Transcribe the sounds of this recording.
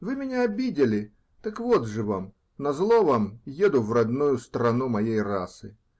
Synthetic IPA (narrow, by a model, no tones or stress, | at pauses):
vɨmʲɪnʲaɐbʲidʲɪlʲɪ | t̪ɐkvod̪ʐɨvam | nɐzlˠovamjed̪ʊvrɐd̪nujʊst̪ɾɐnumɐjejrasɨ